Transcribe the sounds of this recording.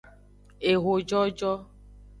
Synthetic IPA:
e˨ɣo˨d͡ʒɔ˦d͡ʒɔ˦

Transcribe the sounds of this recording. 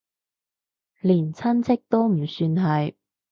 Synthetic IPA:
liː˨˩nt͡sʰɐ˥nt͡sʰɪ˥k̚t̪o˥wm̩˨˩syː˧nɦɐ˨j

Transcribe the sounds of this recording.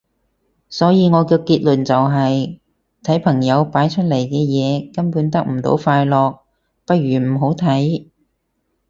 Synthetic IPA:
sɔː˨˥jiː˨˧ŋɔː˨˧kɛː˧kiː˧t̚lɵ˨˩nt͡sɐ˨wɦɐ˨j | t̪ʰɐ˨˥jpʰɐ˨˩ŋjɐ˨˧wpaː˨˥jt͡ʃʰɵ˥t̚lɐ˨˩jkɛː˧jɛː˨˧kɐ˥npuː˨˥nt̪ɐ˥k̚m̩˨˩t̪o̰˨˥wfaː˧jlɔː˨k̚ | pɐ˥t̚ɥyː˨˩m̩˨˩ɦo˨˥wt̪ʰɐ˨˥j

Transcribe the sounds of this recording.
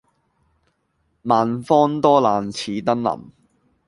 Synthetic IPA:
maː˨nfɔː˥nt̪ɔː˥laː˨nt͡sʰiː˨˧t̪ɐ˥nlɐ̰˨˩m

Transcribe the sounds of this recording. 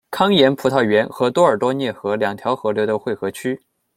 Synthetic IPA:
kʰɑ˥ŋjɛ˧˥npʰu˧˥t̪ʰɑ˥˩ɥɛ˧˥nxɤ˧˥t̪wɔ˥ə˞˨˩t̪wɔ˥njɛ˥˩xɤ˧˥ljɑ˨˩ŋt̪ʰjɑ˧˥ʊxɤ˧˥ljo˧˥ʊd̪ə˧xwe˥˩ɪxɤ˧˥t͡ɕʰy˥

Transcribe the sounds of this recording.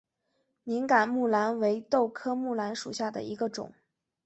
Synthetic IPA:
ni˧˥ŋka˨˩nmu˥˩la˧˥nwe˧˥ɪt̪o˥˩˧ʊkʰɤ˥mu˥˩la˧˥nʂu˨˩ɕja˥˩d̪ə̰˩i˧˥ɡə˧ʈ͡ʂʊ̰˨˩˦ŋ

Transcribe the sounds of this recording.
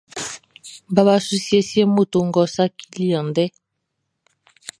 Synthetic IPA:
ba˦βa˦su˦sia˦si˦e˦mu˦t̪u˨ŋɡɔ˨sa˦kʰi˦li˦ã˨nd̪ɛ˦

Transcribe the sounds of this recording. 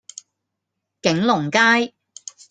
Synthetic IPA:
kɪ˨˥ŋlʊ˨˩ŋkaː˥j

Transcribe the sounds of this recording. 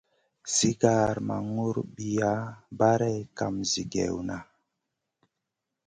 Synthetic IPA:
si˦ɡa˨ɾma̰˨ŋu˦ɾɓi˨ja˦ba˦ɾɛ˦ka˨mzi˨ɡɛ̰˨wna˨

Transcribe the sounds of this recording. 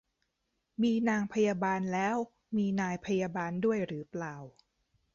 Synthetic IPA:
miː˧naː˧ŋpʰa˧jaː˧baː˧nlɛː˦˥w | miː˧naː˧jpʰa˧jaː˧baː˧ndu˥˩əjɾɯː˩˦plaː˨˩w

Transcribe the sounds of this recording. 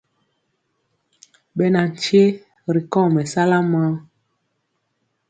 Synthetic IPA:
ɓɛ˨na˨n˨t͡ʃje˦ | ɾi˨kɔ̃˦˨mɛ˨sa˦la˦ma˦

